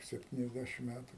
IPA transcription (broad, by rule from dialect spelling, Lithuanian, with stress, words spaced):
sʲɛpʲˌtʲiːnʲɛzʲˈdʲæʃʲɪm ˈmʲætʊ